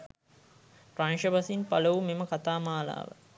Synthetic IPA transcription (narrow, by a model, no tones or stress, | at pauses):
pranʃəʋɐsinpaləʋumeməkat̪aːmaːla̰ːʋə̰